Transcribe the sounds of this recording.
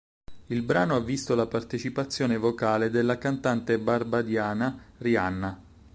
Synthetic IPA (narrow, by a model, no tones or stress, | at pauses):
ilbɾaːnoavːist̪olapart̪et͡ʃipat̪sːjoːnevokaːled̪elːakant̪ant̪ebarbad̪jaːnarianːa